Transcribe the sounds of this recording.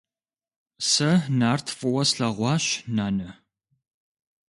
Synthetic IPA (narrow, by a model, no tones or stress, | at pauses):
sɐnaːrtʰfʼɨwɐsɬɐʁʷɑːɕnaːnɐ